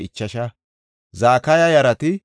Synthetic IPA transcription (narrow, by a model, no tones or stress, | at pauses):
ɪt͡ʃːɐʃɐ | zaːkɐjɐjɐɾɐt̪ɪ